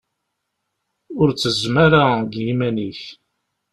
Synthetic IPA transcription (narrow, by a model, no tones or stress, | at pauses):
ʊɾt͡sːəzmaɾaɡjimæniç